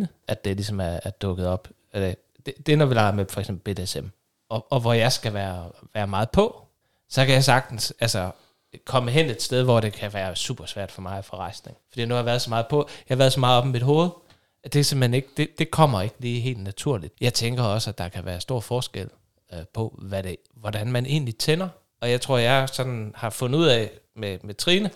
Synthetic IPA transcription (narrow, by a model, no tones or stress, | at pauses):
nə | ʔæd̥̚e̝lisɒ̽mæɐæɐd̥ɔ̽ɡ̥əð̞̩ˠɒ̽b̥ | æd̥e | d̥ed̥e̝ɐnɒʋilɑ̈ɪɐmefɒ̽ɐɪɡsemb̥l̩b̥e̝ːd̥eesem | ɒɒ̽ʋɒjɑ̈ɪsɡ̥æʋæːɐʋæːɐmɑ̈ːð̩ˠpʰɒ̽ | sɒ̽kʰæjɑ̈ɪsɑ̈ɡ̥̚d̥n̩sælsɐ | kʰɒ̽məɦen̰e̝d̥std̥eð̞ˠʋɒd̥e̝kʰæʋæːɐsṵːb̥ɐsʋæɐ̰d̥fɒ̽mɑ̈ɪfɒ̽ʁɑ̈ɪsne̝ŋfɒd̥ḭːnuhɑ̈ʋæːɐðˠsɒmɑ̈ːð̞̩ˠpʰɒ̽jɑhɑʋæːɐðˠsɒ̽mɑ̈ːð̩ˠɒ̽bmid̥ɦo̝ːð̞̩ˠ | æd̥e̝se̝mhene̝ɡ̥əd̥e̝d̥e̝kʰɒ̽m̰ɐe̝ɡ̥liːɦe̝̰ːld̥næt͡sʰuɐ̰lid̥jɑ̈ɪt͡sʰeŋɡ̥ɐɒ̽sæd̥ɑ̈kʰæʋæːɐsd̥o̝ɐ̰fɒːsɡ̥el̰ | pʰɒ̽ʋæɾe̝ | ʋɒd̥ænmænʔe̝̰ːnlit͡sʰenɐ | ɒ̽jɑ̈ɪt͡sʰʁo̝ɐ̰jɑ̈ɪsɒ̽d̥n̩hɑ̈fɔ̽n̩ˠuð̰ˠɛ̰memet͡sʰʁiːnə